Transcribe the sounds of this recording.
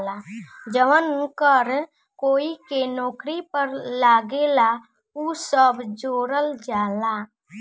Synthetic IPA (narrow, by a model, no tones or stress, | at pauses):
lad͡ʒəʋənũkəɾ | koːikenɔːkɾipəɾlaːɡela | usəbd͡ʒoːɾəld͡ʒaːla